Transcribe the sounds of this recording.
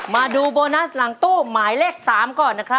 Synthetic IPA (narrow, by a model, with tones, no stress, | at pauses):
maː˧duː˧boː˧na˦˥sla˨˩˦ŋt̪uː˥˩maː˩˦jleː˥˩k̚saː˩˦mkɔː˨˩nːa˦˥kʰɾa˦˥